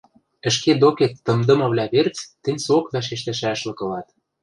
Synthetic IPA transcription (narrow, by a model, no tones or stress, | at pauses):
ə̆ʃ̬ked̪oket̪ːɤ̆md̪ɤ̆mɤ̆βlʲæβert͡st̪ːɘ̆nʲsokvɑʃ̬eʃ̬t̪æ̆ʃæʃlɤ̆kɤ̆lɑt̪